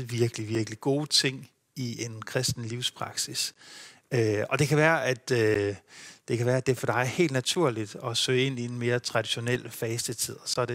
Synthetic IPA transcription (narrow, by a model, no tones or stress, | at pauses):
ʋiɐɡ̥əliʋiɐɡ̥əliɡ̥o̝ːt͡sʰe̝ŋ̰ | iʔe̝nkʰʁɛsd̥n̩liʊspʰʁɑ̈ɡ̥sis | øɒ̽d̥e̝kʰæʋæːɐʔæd̥ø | d̥e̝kʰæʋæːɐæd̥e̝ɐfɒ̽d̥ɑ̈ɪhe̝̰ːld̥næt͡sʰuɐ̰lid̥ɒ̽sø̰ːe̝n̰ie̝nme̝ːɐt͡sʰʁɑ̈d̥iɕo̝nel̰fɛːsd̥ət͡sʰið̞̰ˠɒ̽sɒ̽d̥e